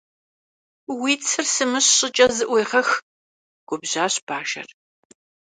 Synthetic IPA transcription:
wiːt͡sʰɨrsɨmɨɕɕʼɪt͡ʃʼɐzɨʔʷejʁɐx | ɡ̥ʷʊbʑaːɕb̥aːʃɐ̰r

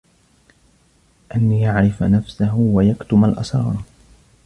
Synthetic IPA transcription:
ʔanːijaʕɾɪfnafsaɦwajakt̪ʊmalʔɑ̰sɾˤɑːɾˤ

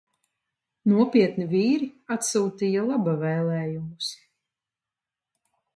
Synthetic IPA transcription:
nuɔpiɛt̪niviːɾiat̪suːt̪ijalˠabavɛːlˠɛːjumus

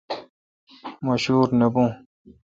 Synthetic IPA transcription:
maʃuːɾnəbũ

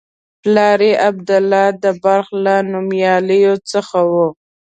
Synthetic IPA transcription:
plɑɾeʔab̚d̪ʊlːɑd̪əbaɾxlanʊmjɑləjot͡səxawu

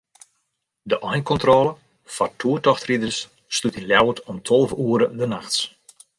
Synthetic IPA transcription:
dəʔɔjnkɔntrɔːlə | fartʰuətɔxtridərsː | tlutinljawətʰɔmtʰɔlˠvuəɾədənaxts

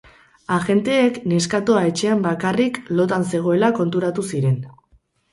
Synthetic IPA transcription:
aɣe̞nt̪e̞ːkne̞skat̪oae̞t͡ʃe̞ambakariklo̞t̪anse̞ɣ̞o̞e̞lako̞nt̪uɾat̪usiɾe̞n

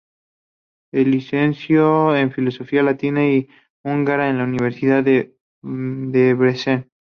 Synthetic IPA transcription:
elːisensjoeɱfilo̞so̞fialat̪inai | uŋɡaɾaenlauniβ̞eɾsiðað | d̪eβɾesen

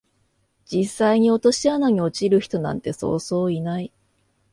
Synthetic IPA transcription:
d͡ʑisːaiɲ̟io̞t̪o̞ɕianaɲ̟io̞t͡ɕiɾɯ̟çi̥t̪o̞nã̰nt̪e̞so̞̰ːso̞ːinai

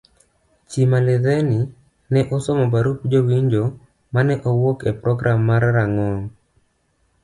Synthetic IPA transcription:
t͡ʃimalɪðɛni | nɛʔɔsɔmɔbaɾupd͡ʒowiɲd͡ʒo | manɛʔɔwokɛpɾɔɡɾamːaɾɾaŋɔn

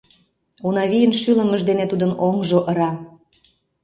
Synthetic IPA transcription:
unɑβijənʃyləməʒd̪enet̪ud̪ənoŋʒoʔəɾɑ

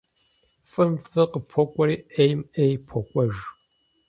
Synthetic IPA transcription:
fʼɨmfɨqəpʰɔkʷʼɔɾiːʔejmejpʰɔkʷʼɔʒ

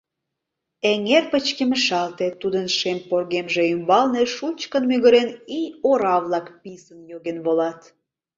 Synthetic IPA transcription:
eŋerpət͡ɕkeməʃɑlt̪et̪ːud̪ənʃemporɣemʒeymbɑlneʃult͡ɕkənmyɣəɾenioɾɑβlɑkpisənjoɣenβolɑt̪

